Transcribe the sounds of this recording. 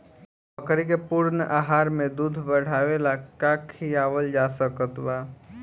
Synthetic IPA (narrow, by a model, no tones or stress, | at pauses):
bəkɾikepuɾnəʔaɦaɾmẽd̪ud̪ʱbəɽ̤aʋelakakʰiaʋəld͡ʒasəkət̪ba